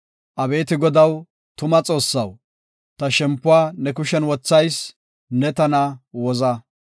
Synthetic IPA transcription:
ʔɐbe̞ːt̪ɪɡɔd̪ɐw | t̪ʊmɐt͡sʼo̞ːsːɐw | t̪ɐʃɛmpːʊaːnɛkʊʃɛnwɔt͡sːɐjs | nɛt̪ɐnɐwɔzɐ

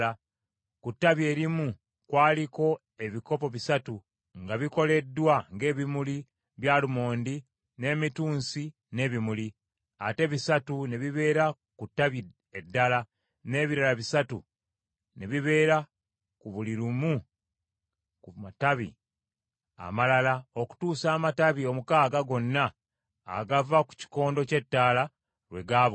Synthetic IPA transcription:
a | kutːaβje̞ːɾimu | kwaːliko̞ | e̞βiko̞po̞βisatu | ŋɡaβiko̞le̞dːwaŋɡe̞ːβimuli | βjaːlumo̞ːndi | ne̞ːmituːnsi | ne̞ːβimuli | ate̞βisatune̞βiβe̞ːɾa | kutːaβi | edːala | ne̞ːβiɾalaβisatu | neβiβe̞ːɾa | kuβuliɾumu | kumataβḭ | a̰malalao̞ku̥tuːsaːmataβio̞mukaːɡaɡo̞nːa̰ː | ɡavaku̥ci̥ko̞ːndo̞ce̞tːaːla | ɾwe̞ɡaːβo

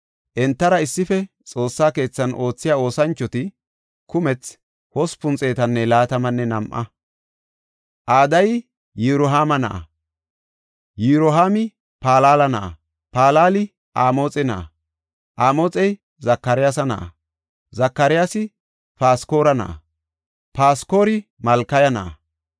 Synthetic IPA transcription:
ʔɛnt̪ːɐɾɐɪsːɪfɛ | t͡sʼo̞ːsːaːke̞ːt͡sːɐnʔo̞ːt͡sːɪjaːo̞ːsɐnt͡ʃːɔt̪ɪ | kʊmɛt͡s | hɔspʊnt͡sʼeːt̪ɐnːɛlaːt̪ɐmɐnːɛnɐmʔɐ̰ | ʔaːd̪ɐj | jiɾɔɦaːmɐnɐ̰ʔɐ̰ | jiɾɔɦaːmɪ | paːlaːlɐnɐʔɐ̰ | paːlaːlɪ | ʔaːmo̞ːt͡sʼɛnɐ̰ʔɐ̰ | ʔaːmoːt͡sʼɛj | zɐkːɐɾɪjasɐnɐ̰ʔɐ̰ | zɐkːɐɾɪjaːsɪ | paːsko̞ːɾɐnɐ̰ʔɐ̰ | paːsko̞ːɾɪ | mɐlkːɐjɐnɐ̰ʔɐ̰

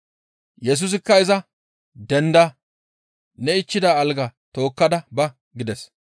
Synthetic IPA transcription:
jɛs̬ʊs̬ɪkːɐɪzɐ | d̪ɛnd̪ɐ | nɛɪt͡ʃːɪd̪aːlɡɐt̪o̞ːkːɐd̪ɐbɐ | ɡɪd̪ɛs

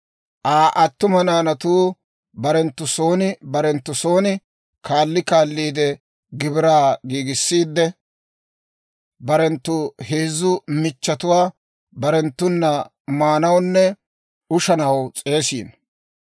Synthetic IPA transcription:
ʔaːʔɐt̪ːʊmɐnaːnɐt̪uː | bɐɾɛnt̪ːʊso̞ːnɪbɐɾɛnt̪ːʊso̞ːnɪ | kʰaːlːɪkaːlːiːd̪ɛ | ɡɪbɪɾaːɡiːɡɪsːiːd̪ːɛ | bɐɾɛnt̪ːʊheːzːʊmɪt͡ʃːɐt̪ʊwaː | bɐɾɛnt̪ːʊnːɐ | maːnɐwnːɛ | ʊʃɐnɐwt͡sʼe̞ːsḭːn

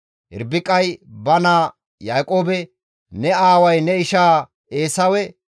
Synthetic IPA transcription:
hɪ̰ɾbɪkʼːɐjbɐnaː | jaːkʼoːbɛ | nɛaːwɐjnɛɪʃaː | eːsɐwɛ

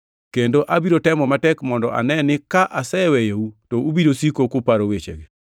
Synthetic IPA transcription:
kendoʔabiɾotɛmɔmatɛkmɔndɔʔa̰nɛnɪkaʔasɛwɛjeutoubidosikokʊpaɾowet͡ʃḛɡe

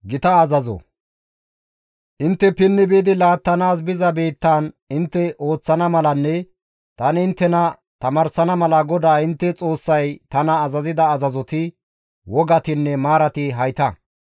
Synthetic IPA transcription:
ɡɪt̪ɐːzɐzɔ̰ | ʔɪnt̪ːɛpɪnːɪbiːd̪ɪlaːt̪ːɐnaːs̬bɪzɐbeːt̪ːaːn | ɪnt̪ːɛʔo̞ːt͡sːɐnɐmɐlɐnːɛ | t̪ɐnɪɪnt̪ːɛnɐ | t̪ɐmɐɾsɐnɐmɐlɐɡɔd̪aːɪnt̪ːɛt͡sʼo̞ːsːɐjt̪ɐnɐːzɐzɪd̪ɐːzɐzɔt̪ɪ | wɔɡɐt̪ɪnːɛmaːɾɐt̪ɪɦɐjt̪ɐ

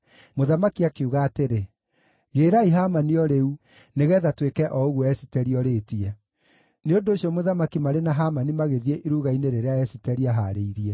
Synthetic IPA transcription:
moðamakiakeuɣaːteɾe | ɣeːɾaiɦamaniɔɾeu | neɣɛðatwekɛʔɔoɣwɔɛsi̥tɛɾiɔɾeːtiɛ | neondoːɕiɔmoðamakimaɾenaɦamanimaɣeðiɛʔiɾuɣaineɾeɾeaɛsitɛɾiaɦaɾeiɾiɛ

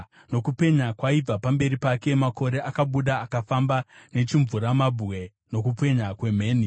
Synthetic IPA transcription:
no̞kupe̞ɲakwaib͡vapambe̞ɾipake̞mako̞ɾe̞ʔakaɓuɗaːkafambane̞t͡ʃiɱvuɾamabwe̞ | no̞kupe̞ɲakwe̞m̤e̞ːni

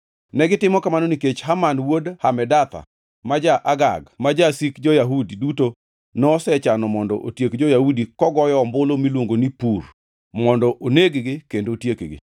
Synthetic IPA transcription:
nɛɡɪtɪmɔkamanɔniket͡ʃhamanwodhamɛdat̪a̰ | mad͡ʒaʔaɡa̰ɡmad͡ʒasikd͡ʒɔjaɦudiduto | nɔsɛt͡ʃanɔmɔndɔ̰ʔotjekd͡ʒojahudikɔɡɔjɔːmbolomilwoŋɡonipur | mɔndɔʔoneɡɡɪkendotjekɡɪ̰

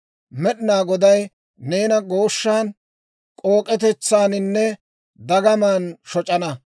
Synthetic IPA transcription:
mɛɗɪnaːɡɔd̪ɐj | ne̞ːnɐɡo̞ːʃːaːn | kʼo̞ːkʼɛt̪ɛt͡sːaːnɪnːɛ | d̪ɐɡɐmaːnʃɔt͡ʃʼɐnɐ

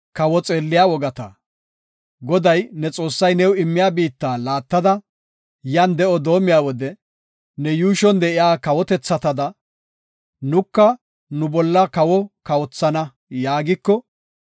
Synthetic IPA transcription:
kɐwɔt͡sʼe̞ːlːɪjawɔɡɐt̪ɐ̰ | ɡɔd̪ɐjnɛt͡sʼo̞ːsːɐjnɛwɪmːɪjaːbiːt̪ːaːlaːt̪ːɐd̪ɐ | jɐnd̪ɛʔɔd̪o̞ːmɪjaːwɔd̪ɛ | nɛjuːʃɔnd̪ɛʔɪjaːkɐwɔt̪ɛt͡sːɐt̪ɐd̪ɐ | nʊkːɐ | nʊbɔlːɐkɐwɔkɐwɔt͡sːɐnɐ | jaːɡɪkːɔ

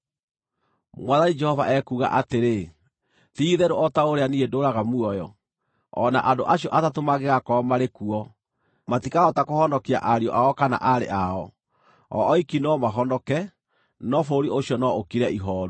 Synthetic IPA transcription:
mwaðanid͡ʒɛhɔva̰ʔɛkuɣa̰ʔateɾe | tiːðɛɾoɔtaoɾeaniedoɾaɣamuɔjɔ | ɔ̰naʔandoʔaɕiɔʔatatomaɣeɣakɔmaɾekuɔ | matikaɔtakohɔndɔkia̰ʔaɾiɔ̰ʔaɔkana̰ʔaɾḛʔaɔ | ɔ̰ːikinɔmaɦɔndɔkɛ | nɔfoɾioɕiɔnɔokiɾɛʔiɦɔːɾu

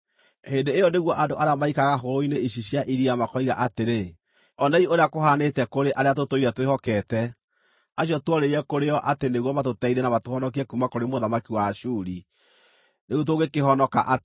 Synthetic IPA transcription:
hendeːjɔneɣwɔʔadoʔaɾeamaikaɣaɦoɾoineiɕiɕjaʔiɾiamakɔiɣaʔateɾe | ɔnaioɾeakoɦaːnetɛkoɾeʔaɾeatotoiɾɛtwehɔkɛtɛ | aɕɔtwɔɾeɛkoɾeɔʔateneɣwɔmatotɛiɾɛnamatohɔnɔk̬iɛkumakoɾemoðamakiwaʃuɾi | neɣut̬oɣekeɦɔnɔka̰ʔat

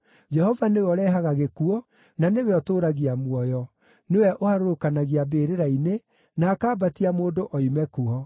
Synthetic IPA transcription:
d͡ʒɛhɔvanewɔɾɛɦaɣaɣekuɔ | nanewɛɔtoːɾaɣiamwɔjɔ | newɛʔohaɾoɾokanaɣiabeːɾeɾaine | naːkaːbatiamoːndoʔɔimɛkuɔ

